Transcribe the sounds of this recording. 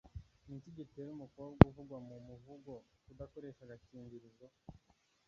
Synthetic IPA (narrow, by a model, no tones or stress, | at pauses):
niciɟiteɾumukoab̚ɡuvuɡwamumuvuɡo̞kudako̞ɾe̞ʃaɡaciːɲbiɾizo